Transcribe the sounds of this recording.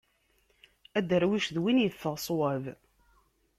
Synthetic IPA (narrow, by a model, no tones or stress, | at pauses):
æd̪əɾwiʃðwinjəθːəʁsˤwəv